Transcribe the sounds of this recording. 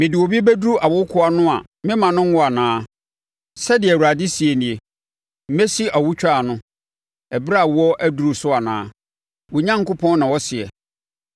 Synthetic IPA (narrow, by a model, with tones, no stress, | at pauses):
mɪ̃˨dɪ˨wo˨bi˦bæ˦du˦ɾu˦ʔa˨wʊ˦kʰʊ˦a˦nʊ̃˦a̰˨ | mɪ̃˦mã˨nʊ̃˦ŋ̩˦wɔ˦a˨nãː˨˦ | sɛ˦dɪ˨ɛ˨u˨ɾa˨dɪ˦si˨e˨nĩ˨e˨ | m̩˦mɛ˦si˦ʔa˨wʊ˦t͡ɕᶣa˦˨nʊ̃˦ | ɛ˨bɾa˦˨wɔ˦ʔæ˦du˨ɾu˨sʊ˦a˨nã̰ː˦ | wʊ˨ɲã˦ŋkʊ˦pʰɔ̃˦n˦nã˨wɔ˦sɪ˨ɛ̰˨